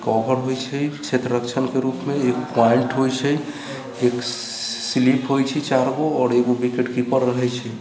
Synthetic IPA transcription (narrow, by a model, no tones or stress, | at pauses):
kɔbʱəɾɦojt͡ʃʰɛkt͡ʃʰet̪ɾəɾəkt͡ʃʰənkeɾupmeekpɔeɳʈɦojt͡ʃʰɛj | ek | slipʰɦojt͡ʃʰɛt͡ʃaɾɡoɔːɾeɡobikeʈkipəɾɾəɦɛjt͡ʃʰɛ